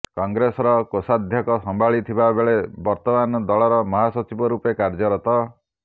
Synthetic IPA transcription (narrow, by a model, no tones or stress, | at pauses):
kɔŋɡɾesɔɾɔkosad̪ʱjɔkɔsɔmbʱaɭit̪ʰibabeɭebɔɾt̪ɔmanɔd̪ɔɭɔɾɔmɔɦasɔt͡ʃibɔɾupekaɾd͡ʒɔɾɔt̪ɔ